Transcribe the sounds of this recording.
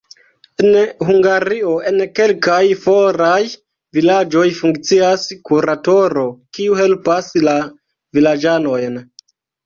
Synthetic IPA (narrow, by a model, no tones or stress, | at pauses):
enhuŋɡaɾio̞e̞nke̞lkajfo̞ɾaj | vilad͡ʒo̞jfuŋkt͡siaskuɾato̞ɾo̞kiuhe̞lpasla | vilad͡ʒano̞jn